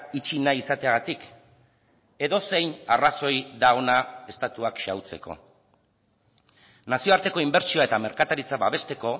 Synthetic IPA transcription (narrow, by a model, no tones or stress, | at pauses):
it͡ʃinaisat̪e̞aɣat̪ik | e̞ðo̞se̞jnaraso̞jðao̞nae̞st̪at̪uakʃawt͡se̞ko̞̰ | nasio̞aɾt̪e̞ko̞imbe̞ɾt͡ʃioae̞t̪ame̞ɾkat̪aɾit͡saβaβ̞e̞st̪e̞ko̞